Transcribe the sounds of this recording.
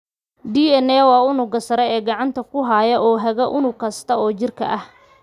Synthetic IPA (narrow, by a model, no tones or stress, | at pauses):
ɖiːɛnɛːwɑːʊnʊɡɐsɐɾɛɛːɡɑʕɑnt̪ʰɐkʰʊɦaːjɐʔɔːɦɐɣɐʔʊnʊkʰɐst̪ʰɐɔːt͡ʃɪrkʰɐ̰ʔɐh